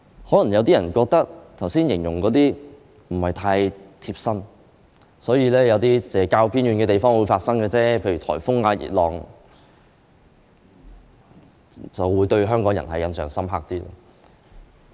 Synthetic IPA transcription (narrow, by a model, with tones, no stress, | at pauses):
hɔː˨˥lɐ˨˩ŋjɐ˨˧wt̪iː˥jɐ˨˩nkɔː˧k̚t̪ɐ˥k̚t̪ʰɐ˨˩wsiː˥njɪ˨˩ŋjʊ˨˩ŋkɔː˨˥t̪iː˥ | m̩˨˩hɐ˨jt̪ʰaː˧jt̪ʰiː˧p̚sɐ˥n | sɔː˨˥jiː˨˧lɛː˥jɐ˨˧wt̪iː˥t͡sɛː˨˧kaː˧wpʰiː˥nɥyː˨˧nkɛ˧t̪e˨˩jfɔː˥ŋwuː˨˧jfaː˧t̚sɐ˥ŋkɛː˧t͡sɛː˥pʰe˧jɥyː˨˩t̪ʰɔ̰ː˨˩jfʊ˥ŋaː˧jḭː˨t̚lɔː˨ŋ | t͡sɐ˨wwuː˨˧jt̪ɵ˧ɥɦœː˥ŋkɔː˨˥ŋjɐ̰˨˩nhɐ˨jɐ˨nsœː˨ŋsɐ˥mɦaː˧k̚t̪iː˥lɐ̰ː˥